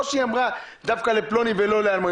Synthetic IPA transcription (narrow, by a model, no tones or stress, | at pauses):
siãmʁa | d̪afkaleplonibelolɛalmã